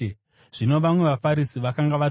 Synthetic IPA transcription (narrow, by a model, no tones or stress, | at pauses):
ʐ̥ino̞ʋamwe̞ʋafaɾisiʋakaŋɡaʋa